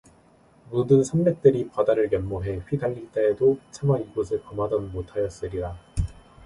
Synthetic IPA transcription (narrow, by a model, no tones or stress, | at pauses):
mudɯnsʰamːek̚t͈ɯɾipadaɾɯɭkjʌnmoɦe̞ɸɥidaʎːiɭt͈eːdot͡ɕʰamwaiɡosʰɯɭkʌmadʌnmotʰajʌs͈ɯɾida